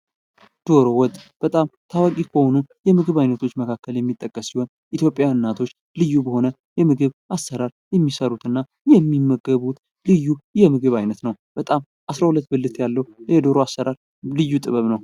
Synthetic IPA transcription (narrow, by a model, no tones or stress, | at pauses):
d̪̥o̞ɾo̞wɔt̪ʼːb̥ət̪ʼamt̪ʰawakʼikʰəhonujɛmɨɡɨβajnət̪ʰo̞t͡ʃːməkʰakʰːəljɛmːit̪ʼːəkʼːəsːiho̞n | ʔit̪ʰjo̞pʼːjaɨnːat̪ʰo̞t͡ʃː | lɨjːubəho̞nə | jɛmɨɡɨβʔasːəɾaɾjɛmːisəɾut̪ɨnːa | jɛmːimːəɡəβut̪ | lɨjːujɛmɨɡɨβajnət̪nəwb̥ət̪ʼam | ʔasɾahulət̪ːbɨlːɨt̪ʰjalːəwjɛd̪o̞ɾoasːəɾaɾ | lɨjːut̪ʼɨβəβnəw